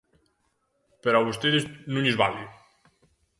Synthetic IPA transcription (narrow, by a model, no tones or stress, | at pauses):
pəɾɔβust̪eðeznũɲezβali